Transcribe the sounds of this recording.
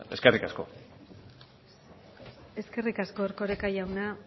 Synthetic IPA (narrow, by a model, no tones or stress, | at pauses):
e̞skerikasko̞̰ | e̞ske̞rikasko̞eɾko̞ɾekaʝawna